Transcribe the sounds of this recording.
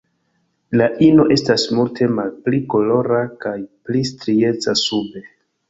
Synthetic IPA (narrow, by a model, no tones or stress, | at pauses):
laʔino̞ʔe̞stasmultʰe̞malpliko̞lo̞ɾakajplistɾie̞t͡sasube̞